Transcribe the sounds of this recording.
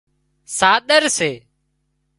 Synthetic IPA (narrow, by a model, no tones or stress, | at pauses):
saːɗ̪əɾseː